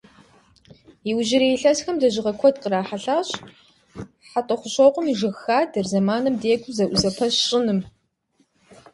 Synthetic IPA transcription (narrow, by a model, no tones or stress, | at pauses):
iwʒɪɾejɬɐsxɐmdɐʑɪʁɐkʷʰɔdqəɾaːħaɬaːɕ | ħatʼɐχʷʊɕɐwqʷʼʊmiʒɨxxaːdɐrzɐmaːnɐmdeːɡʷʼʊzɐʔʷʊzɐpʰɐɕɕʼɪnɨm